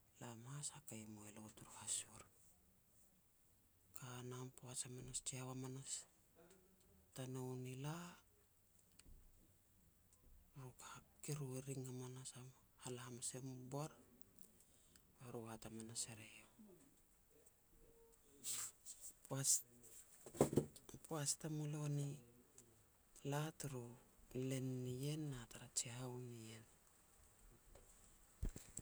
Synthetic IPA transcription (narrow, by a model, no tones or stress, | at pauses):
lamashakajmoelotuɾhasuɾ | kanampoasamanast͡ʃiawamanas | tanownila | ɾukakiɾueɾiŋamanasam | halahamasembaɾ | βaɾuatamanaseɾejo | pa | poastamoloni | latuɾule̞nːije̞nːataɾat͡ʃiaunien